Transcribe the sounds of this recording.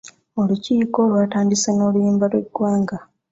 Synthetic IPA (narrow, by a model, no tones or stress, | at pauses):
o̞luciːko̞ːlwaːtaːndiseno̞ːlujiːmbalweɡwaːŋɡa